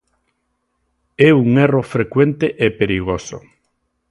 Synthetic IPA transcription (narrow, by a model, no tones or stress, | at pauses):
ɛuŋerofɾekwent̪eʔepeɾiɣ̞oso̰